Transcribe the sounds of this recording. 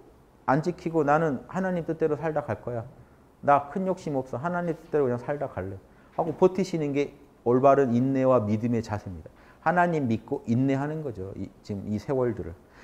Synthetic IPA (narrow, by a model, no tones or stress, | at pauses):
and͡ʑikʰiɡonanɯnhanaɲimt͈ɯt͈e̞ɾosʰaɭdakʰaɭk͈ʌja | nakʰɯnjok̚ɕ͈imʌp̚s͈ʌɦanaɲimt͈ɯ̥t͈e̞ɾokɯɲaŋsʰaɭdakʰaɭːe | haɡopotʰɯɕʰinɯnɡe̞ | ʌɭbaɾɯninːe̞wamidɯme̞t͡ɕasʰemɲida | hanaɲimːit̚k͈oʔinːe̞ɦanɯnɡʌd͡ʑoḭt͡ɕimisʰe̞wʌɭdɯɾɯ̰ɭ